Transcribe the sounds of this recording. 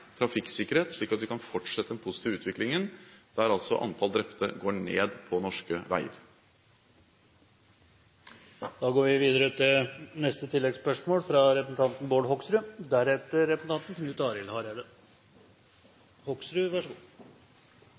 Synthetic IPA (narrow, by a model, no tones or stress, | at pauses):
t̪ʰɾɑfɪkːsɪkːəɾheːt̪ʂɭiːkɑt̪ʋɪkʰɑnfɔʈʂɛt̪ːəɛnpʰʊsɪt̪ʰiːʋʉːt̪ʋɪklɪŋənd̪̥æɾɑlsɔ̰ʔɑ̰nt̪ʰɑld̪ɾɛpt̪ə̰ɡoːɳḛːd̪pʰɔnɔʂkəʋæ̰ɪə̰ɾ | d̪ɑːɡoːɾʋɪʋiːd̪əɾət̪ʰɪlnɛst̪ət̪ʰɪlːɛɡspœʂmoːlfɾɑɾɛpɾəsn̩t̪ʰɑnt̪n̩boːɖɦɔksɾʉːd̪æɾɛt̪ːəɾɾɛpɾəsn̩t̪ʰɑnt̪n̩kʰnʉːt̪ɑːɾɪlhɑɾæd̪ə | hɔksɾʉʋæʂəɡuː